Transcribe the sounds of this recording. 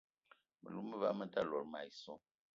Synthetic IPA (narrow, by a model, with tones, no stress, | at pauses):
mə̰˨lu˦mə˦va˦mə˦ta˦˨lɔ˨ɾma˨i˨sɔ˦